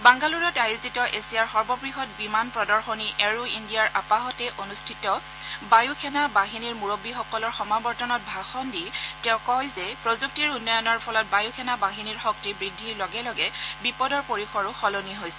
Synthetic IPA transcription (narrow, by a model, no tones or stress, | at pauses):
baŋɡaluɹɔtajuzitɔʔesijaɹxɔɹbɔbɹiɦɔt̚bimanpɹɔdɔɹxɔniʔɛɹuindijaɹʔapaɦɔtɛʔonustʰitɔ | bajukʰɛnabaɦiniɹmuɹobixɔkɔlɔɹxɔmabɔɹtɔnɔt̚bʱaxɔnditɛ̃ʊ̃kɔjzɛpɹozuk̚tiɹunːɔjɔnɔɹpʰɔlɔt̚bajukʰɛnabaɦiniɹxɔk̚tibɹidʱːilɔɡɛlɔɡɛbipɔdɔɹpoɹixɔɹʊxɔloniɦojsɛ